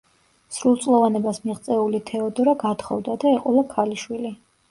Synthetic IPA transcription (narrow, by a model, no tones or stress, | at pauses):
sɾulˠt̪sʼlˠɔvanɛbasmiʁt̪sʼɛulit̪ʰɛɔd̪ɔɾaɡat̪χɔ̰vd̪ad̪aɛqʼɔlakʰaliʃwili